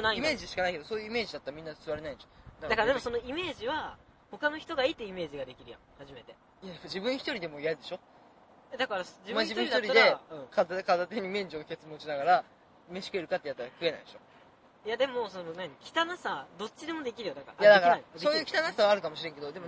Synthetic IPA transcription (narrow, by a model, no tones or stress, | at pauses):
kɯnaiime̞ːʑiɕi̥kanaike̞d̪o̞soːjɯ̟ime̞ːʑid̪at̪ːaɾamʲĩnːasɨβaɾe̞naĩd̪eʃod̪ak̪akaɾad̪emo̞sono̞ime̞ːʑiβa | ho̞kanoçi̥t̪o̞ɡait̪ːeime̞ːʑiɡad̪e̞kʲiɾɯ̟jã̰ŋhaʑime̞t̪e̞ | jad̪emod͡ʑibɯ̟̃ɰ̃çi̥t̪o̞ɾʲid̪e̞mo̞ijad̪e̞ɕo̞ | jad̪akaɾasd͡ʑibm̃ʑib̪ɯ̃ɾiç̪aoɾiːad̪eɯ̟̃ːkazakazat̪eɲ̟imẽ̞ɲ̟d͡ʑõŋke̞t͡sɨmõ̞ɕinaɡaɾa | me̞ɕi̥kɯe̞ɾɯ̟kat̪ːejat̪ːaɾakɯ̟e̞na̰id̪eɕo̞̰ | jad̪e̞mo̞so̞nonãɲ̟ikʲi̥t̪anasad̪o̞t͡ɕːid̪e̞mo̞d̪e̞kʲiɾɯjod̪aka̰ɾa̰jad̪akaɾaaisoːjɯkʲi̥t̪anasaβaːɾɯ̟kamoɕiɾẽ̞ŋke̞d̪od̪e̞mo